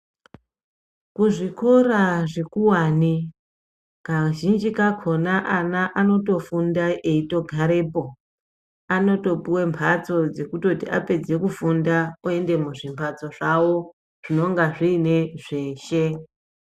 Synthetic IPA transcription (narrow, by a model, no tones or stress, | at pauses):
kuʐiko̞raʐekuwani | kaʒind͡ʒikakʰo̞naʔanaʔano̞to̞fundaʔeito̞ɡʱaɾe̞ːpo̞ | ano̞to̞piwe̞mpʰat͡so̞d͡zekuto̞tiʔa̰pe̞d͡ze̞kufundaoe̞nde̞muʐimpʰat͡so̞ʐawo̞ | ʐ̥ino̞ŋɡaʐiːne̞ʐe̞ːʃe̞